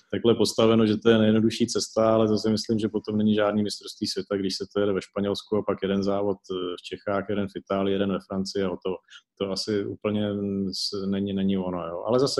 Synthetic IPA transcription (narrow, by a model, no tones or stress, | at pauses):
t̪aklɛpo̞st̪avɛnoʒɛt̪o̞jɛnɛjɛdno̞duʃiːt͡sɛst̪aalɛzas̬ɪmɪslɪmʒɛpo̞t̪o̞mnɛɲɪʒaːdniːmɪst̪ɾofst̪viːsvʲjɛt̪aɡdɪʃsɛt̪ojɛdɛvɛʃpaɲɛlskuapakjɛdɛnzaːvo̞t̪ft͡ʃɛxaːxjɛdɛnfɪt̪aːlɪjɪjɛdɛnvɛfɾant͡sɪaot̪ot̪oasɪʔṵːpl̩ɲɛsnɛɲɪnɛɲɪvo̞nojoːʔa̰lɛzasɛ